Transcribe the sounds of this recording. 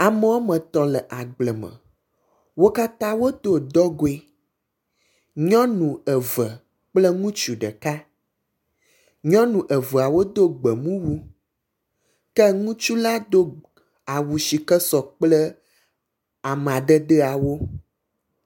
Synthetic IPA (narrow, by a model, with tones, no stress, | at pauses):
a˨mə˦wo˦mə̃˨t̪ɔ˨lə˨ʔa˨ɡ͡blə˨mə̰̃˨ | wo˦ka˦t̪ã˦wo˦d̪o˦d̪ɔ˦ɡo˨e˦ | ɲɔ̃˦nũ˨ə˨və˨ | k͡plə˦ŋũ˦t͡ʃu˨ɖə˨ka˦ | ɲɔ̃˦nũ˨ʔə˨və˨a˨wo˦d̪o˦ɡ͡bə˨ŋũ˦wu˦ | kɛ˦ŋũ˦t͡ʃu˦la˦d̪o˦ | a˨wu˨ʃi˨kə˦sɔ˨k͡plə˦ | a˨m˨ã˨ɖə˦ɖə˦a˨wo˦